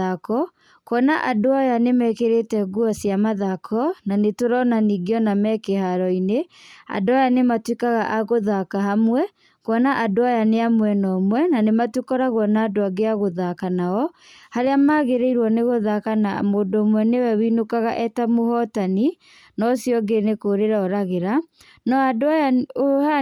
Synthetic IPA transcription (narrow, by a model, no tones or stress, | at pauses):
akɔ | kɔnaʔadoajanemɛkeɾetɛɡuasiamaðakʰɔnanetoɾɔnaniɡeɔnamɛkeɦaɾɔinea̰dʊajanematwekaɣaʔaɣoðakaɦamwɛ | kɔnaʔadoajaneamwɛnɔmwɛnanematwekɔɾaɣwɔnaːdoaɡeaɣoðakanaɔ | haɾeamaɣeɾeiɾwɔneɣoðakana̰moːndoːmwɛnewɛwinokaɣaʔɛtamohɔtani | nɔsijɔɡenekoːɾeɾaɔɾaɣeɾa | nɔadoajaoa